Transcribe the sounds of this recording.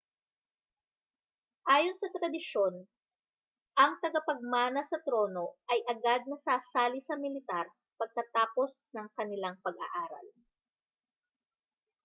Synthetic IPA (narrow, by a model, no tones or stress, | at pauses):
ʔaːjo̞nsɐt̪ɾɐd̪ɪʃo̞n | ʔɐŋt̪ɐɡɐpɐɡ̚maːnɐsɐt̪ɾo̞no̞ʔɐjʔɐɡad̪̚nɐsaːsaːlɪsɐmɪlɪt̪aɾ | pɐɡ̚kɐt̪aːpo̞snɐŋkɐnɪlaŋpɐɡʔɐ̰ʔaːɾɐ̰l